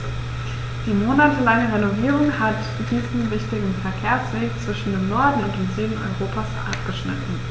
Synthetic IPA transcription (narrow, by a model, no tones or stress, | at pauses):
d̥iːmoːnatʰəlaŋəʁenoviːʁʊŋhat | d̥iːzn̩vɪçtɪɡŋ̩fɛɐkʰeːɐsv̥eːkt͡sv̥ɪʃn̩deːmnɔɐdn̩ʊnt̚d̥eːmzyːdn̩ɔ̰ʏʁoːpʰasʔa̰p̚ɡ̥əʃnɪ̰tn̩